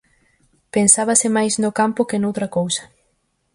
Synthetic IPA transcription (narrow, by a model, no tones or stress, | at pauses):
pensaβɐsɪmajsnʊkampʊkɪnowt̪ɾɐkowsɐ̥